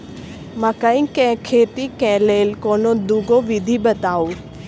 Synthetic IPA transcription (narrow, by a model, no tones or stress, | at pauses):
mãːkəĩkɛ̃ːkʰeːt̪ikɛ̃ːleːlkoːnod̪uɡoʋɪd̪ʱiɓət̪aːo